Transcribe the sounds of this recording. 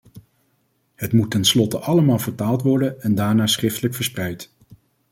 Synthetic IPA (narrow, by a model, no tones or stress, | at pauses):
ɦətmutɛnslɔtəʔɑləmaːlˠvəɹtaːlˠtʋɔɹdənɛndaːɹnaːsχrɪftələkfəɹsprɛjt